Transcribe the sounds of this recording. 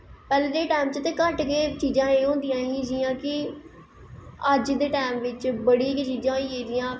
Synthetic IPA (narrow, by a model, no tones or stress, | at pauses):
pɛːlːɾeːʈaːmt͡ʃət̪eːkəʈkeːt͡ʃiːd͡ʒãːeːɦõːnd̪ijãːiːd͡ʒiːãːkɪ | əd͡ʒd̪eːʈaːmʋɪt͡ʃbəɽikt͡ʃiːd͡ʒãːieːd͡ʒijãː